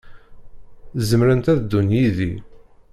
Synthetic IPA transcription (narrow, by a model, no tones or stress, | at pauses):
zəmɾənt̪æðd̪ːunjiði